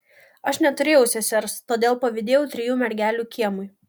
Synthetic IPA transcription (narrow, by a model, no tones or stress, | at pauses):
ɐʃnʲɛt̪ʊɾʲeːjɛʊsʲɛsʲɛɾst̪oːd̪ʲeːlˠpɐʋʲɪd̪ʲeːjɛʊt̪ʲɾʲɪjuːmʲɛɾʲɡʲæːlʲuːkʲiɛmʊɪ